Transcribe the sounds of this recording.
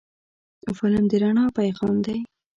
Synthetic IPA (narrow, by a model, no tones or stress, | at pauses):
fʊlamd̪əɾaɳɑpajɣɑnd̪aj